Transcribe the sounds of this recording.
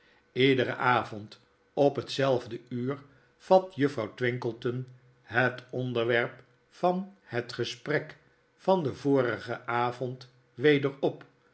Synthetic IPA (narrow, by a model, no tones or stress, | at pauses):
ɪdəɾə̰ʔaːvɔnt | ɔpɦətsɛlˠvdəyːɹ | v̥ɑtjəfrɑwtʋɪŋkəlˠtən | ɦətɔndəɹʋɛɹp | fɑnhətχəsprɛk | fɑndəvʊːrəχəʔaːvɔnt | ʋejdəɹɔp